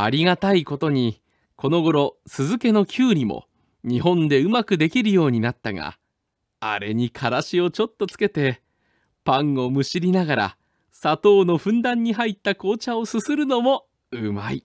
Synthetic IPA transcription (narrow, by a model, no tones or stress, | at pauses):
aɾʲiɡat̪aiko̞t̪o̞ɲ̟i | ko̞no̞ɡo̞ɾo̞sɨzɨke̞no̞kʲɨːɾʲimo̰ | ɲ̟iɦõ̞nd̪e̞ɯ̟makɯ̟d̪e̞kʲiɾɯ̟jo̞ːɲ̟inat̪ːaŋa̰ | a̰ɾe̞̰ɲ̟ikʰaɾaɕio̞t͡ɕo̞t̪ːo̞t͡sɨ̥ke̞t̪e̞ | pãŋo̞mɯ̟ɕiɾʲinaɡaɾa̰ | sat̪o̞ːno̞ɸɯ̟̃nd̪ãɲ̟ːiɦait̪ːako̞ːt͡ɕao̞sɨsɨɾɯ̟no̞mo̞ | ɯmaḭ